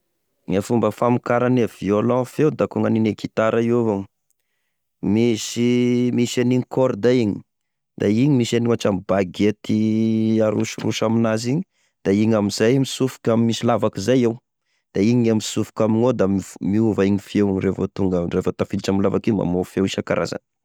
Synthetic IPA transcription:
ɲafumbəfamikaɾanav̥iolɔ̃fewd̪akuŋəninekʰit̪aɾaiovaŋ | misimisaniɲikoɾd̪aiɲi̥ | d̪̥aiɲimisaniuaʈ͡ʂambaɡet̪iaɾuʃiruʃaminaziɲi | d̪̥aiɲamizajmisufu̥kʲamimisilavakizajew | d̪̥aiɲamisufu̥kʲaminod̪ammiuvaiɲifiewrevot̪uŋɡərefət̪afiiʈ͡ʂamilavakima̰mofewiʃaka̰ɾa̰za̰n

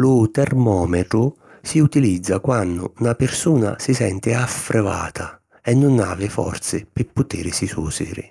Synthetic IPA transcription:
lʊt̪ɛrmɔːmɛt̪ɾʊ | siut̪ilid̪zːakwanːʊːnapɪrsuːna̰sisɛ̰nt̪ɪafːɾɛva̰ːt̪ʰa | ɛnːʊna̰lːɪfɔ̰rt̪sɪpɪpːʊt̪iːɾɪsisuːsḭɾɪ̰

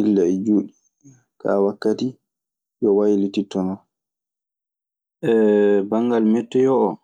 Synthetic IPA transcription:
ilːaɛd͡ʒuːɗi | ka̰wakːati | jɔwajlititːɔnɔ | ʔɛbaŋɡalmɛtːɛjɔʔː

